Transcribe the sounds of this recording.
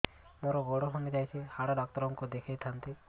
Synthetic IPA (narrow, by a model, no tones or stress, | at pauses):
moɾɔɡoɽɔɦɔned͡ʒajt͡ʃʰihaɽaɖak̚t̪ɔɾɔŋkod̪ekʰejt̪ʰant̪e